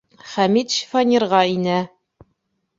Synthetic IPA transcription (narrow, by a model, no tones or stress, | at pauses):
χæmit̪ʃi̥fanʲiɾʁɑinæ